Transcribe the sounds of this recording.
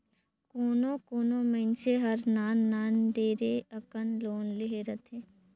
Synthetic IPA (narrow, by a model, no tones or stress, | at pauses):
koːnõkoːnõmɐɪnseɦɐɾnaːnːaːnɖeːɾeɐkənloːnleɦeɾət̪ʰeː